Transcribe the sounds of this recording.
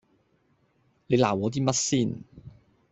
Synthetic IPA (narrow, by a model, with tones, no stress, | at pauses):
le˨˧jla̰ː˨˩wɔː˨˧t̪̬iː˥mɐ˥t̚siː˥˩n